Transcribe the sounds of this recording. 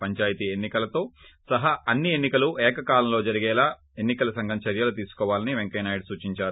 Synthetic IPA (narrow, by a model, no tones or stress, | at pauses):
pɐɲt͡ʃaːjɐt̪ienːikɐlɐt̪o̞ːsɐɦaɐnːienːikɐluʔɛːkɐkaːlɐmlo̞ːd͡ʒɐɾiɡɛːlaː | enːikɐlɐsɐŋɡʱɐmt͡ʃɐɾjɐlɐt̪iːsu̥kɔːʋaːlɐniʋeŋkɐjnaːjɽsuːt͡ʃiɲt͡ʃaːɾu